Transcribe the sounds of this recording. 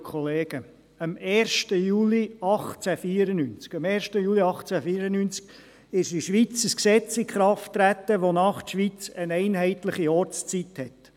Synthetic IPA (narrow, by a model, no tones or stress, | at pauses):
kʰɔleːɡə | əmɛːɾʃtəjuːliɑχt͡sæfiːəɾənynt͡skɑmɛːɾʃtəjuːliɑχt͡sæfiːɾənynt͡sk | ɪʃdiʃʋit͡səsksɛt͡sɪkχɾɑftːɾæt̪ːəʋonɑːχtʃʋit͡sənɛɪnɦɛɪtləχiɔɾt͡st͡sithɛt